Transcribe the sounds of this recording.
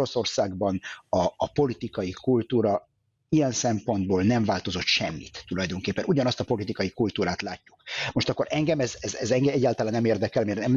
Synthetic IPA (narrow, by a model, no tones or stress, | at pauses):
o̞so̞rsaːɡbɒnɒːpo̞lit̪ikɒjikult̪uːɾɒ | ijɛnsɛmpo̞nd̪̚boːlnɛɱvaːlt̪o̞zo̞t̪ʃɛ̰mːḭt̪ːulɒjd̪o̞ŋkeːpːɛnuɟɒnɒst̪ɒpo̞lit̪ikɒjikult̪uːɾaːt̪laːcːu̥kmoʃt̪ɒkːo̞ɾʔɛŋɡɛmɛzɛzɛzɛŋɡɛɛɟːaːlt̪ɒlaːnːɛmeːrd̪ɛkɛlmeːrnɛm